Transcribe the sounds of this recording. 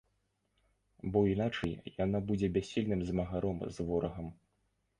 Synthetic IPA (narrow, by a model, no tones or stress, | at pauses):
bɔinat͡ʂɐjjanabud͡zʲɛbʲasʲːilʲnɨmzmɐɣaɾɔmzvɔɾɐɣɐm